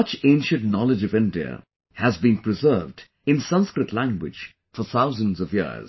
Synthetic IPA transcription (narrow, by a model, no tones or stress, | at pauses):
ʌt͡ʃẽɪ̃nʃɨ̃ntnɑlɨd͡ʒʌvɪ̃ndiə̰ | hɨzbĩnpʰɹɨzɜ˞vd | ɨ̃nsʌ̃nskɹɨtˡlæ̃ŋɡwɪ̰̥d͡ʒ | fə˞θaʊzə̃nzʌvjɪ̰z̥